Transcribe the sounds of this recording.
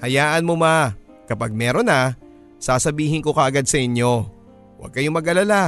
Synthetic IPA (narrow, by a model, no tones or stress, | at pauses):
hɐjaːʔɐnmoma | kɐpaɡ̚mɛːɾo̞nɐ | saːsɐbiːhɪnko̞kɐʔɐɡad̪̚sɐʔɪnjo̞ | wɐ̰ɡ̚kɐjo̞mɐɡɐlala